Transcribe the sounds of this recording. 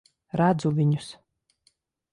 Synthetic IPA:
ɾad̪zuvʲiɲus

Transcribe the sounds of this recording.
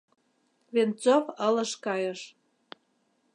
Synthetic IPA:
vent͡sofələʃkɑjəʃ

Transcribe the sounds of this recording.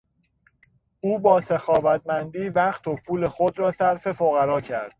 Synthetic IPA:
ʔuːbɒːsexɒːvæt̪̚mænd̪iːvæχt̪ʰo̞pʰuːle̞xod̪ɾɒːsæɾfe̞foɣæɾɒːcʰæɾd̪̥

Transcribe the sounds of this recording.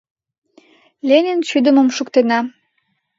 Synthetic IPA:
lʲenʲent͡ɕyd̪ə̆mə̆mʃukt̪enɑ

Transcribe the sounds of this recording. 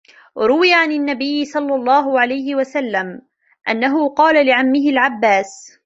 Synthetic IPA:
ɾˤʊwɪjaʕanɪnːabɪjːɪsˤɑlːɑlˤːɑːɦʊʕalajhɪwasalːam | ʔa̰nːaɦʊqɑːlalɪʕamːɪɦɪlʕabːaːs

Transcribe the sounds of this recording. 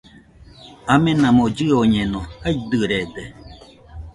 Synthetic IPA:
amẽnãmod͡ʑɯoɲenõajd̪ɯɾed̪e

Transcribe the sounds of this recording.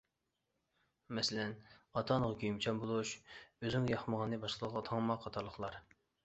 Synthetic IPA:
mɛsɪlɛnɑt̪ʰɑnəʁɑkʲʰyjmt͡ʃʰɑmbolˠuʃøzɪŋjɑχməʁɑnːɨbɑʃqəlˠəʁɑt̪ʰɑŋmɑqʰːɑt̪ʰɑɾlˠəχlˠɑɾ

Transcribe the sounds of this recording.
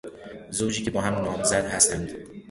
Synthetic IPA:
zowd͡ʒiːcʰe̞bɒːhæmnɒːmzæd̪hæst̪ænd̪

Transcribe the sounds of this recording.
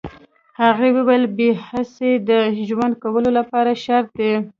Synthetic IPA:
haɣewewajəlbehased̪əʒwand̪̚kawəlolapɑɾaʃaɾt̪̚d̪e

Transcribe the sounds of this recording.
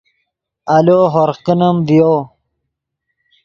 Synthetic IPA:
ɐloɦoɾqinəmvijo

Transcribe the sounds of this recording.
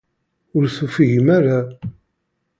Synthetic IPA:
ʊɾθufiʝəmaɾa

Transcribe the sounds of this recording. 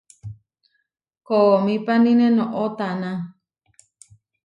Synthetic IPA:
komĩpanĩnẽnõʔot̪anã

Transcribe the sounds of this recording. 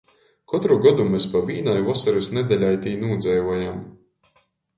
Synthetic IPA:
kɔt̪ɾuɡɔd̪umɛspabiːnajvɔsɛɾusnɛd̪ɛlʲajt̪iːnuːd̪zɛjvɔjam

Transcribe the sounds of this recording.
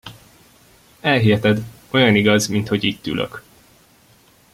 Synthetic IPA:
ɛlɦiɦɛt̪ɛd̪ | o̞jɒniɡɒzmint̪ho̞ɟiːt̪ːy̰lʔø̰k

